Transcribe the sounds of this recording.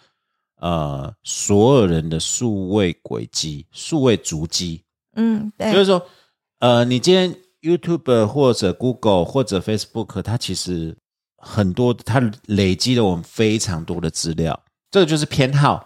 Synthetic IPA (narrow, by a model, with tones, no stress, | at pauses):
ə˧˩swɔ˧˥jo˨˩ʊɻə˧˦nd̪ə˧ʂu˥˧we˥˩ɪkwḛ˨˩ɪt͡ɕi˦˥ʂu˥˧we˥˩ɪt͡su˧˥t͡ɕi˥˩ | jʊʂ̩˥˩ʂwɔ˥ | ə˧ni˨˩t͡ɕi˥njɛ˥n | ju˥t̪ʰju˥˩bə˩xwɔ˥˩ʈ͡ʂɤ˨˩ku˥ɡə˨˩lxwɔ˥˩ʈ͡ʂɤ˨˩fe˥ɪsə̥˧bu˥˩kʰə˨˩t̪ʰa˥t͡ɕʰi˧˥ʂɻ̩˧˥ | xə˨˩nt̪wɔ˦˥d̪t̪ʰa˦˥le˨˩ɪt͡ɕi˦˥lə˨wɔ˨˩mə˦nfe˥ɪʈ͡ʂʰɑ˧˥ŋt̪wɔ˥d̪ə˨ʈ͡ʂɹ̩˥ljɑ˥˨˩ʊ | ʈ͡ʂɤ˥˩ɡə˩t͡ɕjo˥˧ʊʂ̬ɻ̩˥˩pʰjɛ˥nxɑ˥˩ʊ